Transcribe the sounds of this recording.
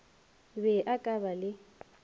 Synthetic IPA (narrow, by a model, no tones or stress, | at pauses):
bɛʔakʼabalɪ